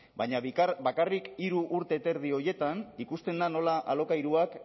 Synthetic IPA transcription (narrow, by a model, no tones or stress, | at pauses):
bajɲaβikabakarikiɾuʔːɾt̪e̞ːt̪e̞ɾðio̞je̞t̪anikust̪e̞nd̪ano̞laʔalo̞kajɾuak